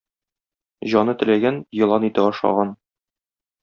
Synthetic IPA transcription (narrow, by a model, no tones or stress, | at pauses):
ʑɒnɤt̪ɘ̆læɡænjɤ̆lˠɑnit̪ɘpɒʃɑ̰ʁɑn